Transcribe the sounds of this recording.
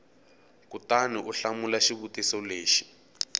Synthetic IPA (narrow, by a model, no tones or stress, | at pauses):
kutaniʔuɬamulaʃiβutisɔleːʃi̥